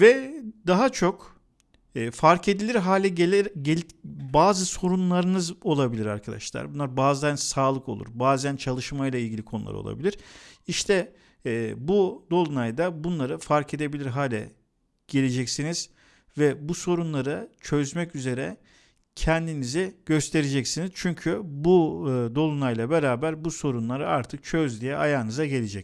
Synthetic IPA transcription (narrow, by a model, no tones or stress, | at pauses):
vɛd̪aɦat͡ʃʰo̞kː | faɾkʰe̞d̪ilʲiɾɦaːlʲɛeɟebaːzɯso̞ɾunlˠaɾɯnɯzo̞lˠabilʲiɾa̰ɾkʰad̪a̰ʃlˠa̰ɾbunˠaɾbaːzd̪ansaːlˠɯko̞lˠṵɾbaːzænt͡ʃʰalˠɯʃmajlˠailʲɟilʲikʰo̞nṵlˠa̰ɾɯo̰lˠa̰bilʲiɾ̥iʃt̪ʰɛː | bud̪o̞lˠunajd̪abunlˠaɾɯfaɾkʰe̞d̪e̞bilʲiɾɦaːlʲɛ̰ | ɟ̥e̞lʲe̞d͡ʒɛcsiniz̥ | vɛbuso̞ɾunlˠaɾɯt͡ʃʰø̞zmɛcyze̞ɾɛ̰ | cʰɛnd̪iniziɟ̥ø̞st̪ʰe̞ɾed͡ʒɛcsiniz̥t͡ʃʰyɲcʰybud̪o̞lˠunajlˠabeɾaːbæɾbuso̞ɾunlˠaɾɯaɾt̪ʰɯk̚t͡ʃʰøzd̪ijɛʔajaːɯnɯzaɟe̞lʲed͡ʒɛc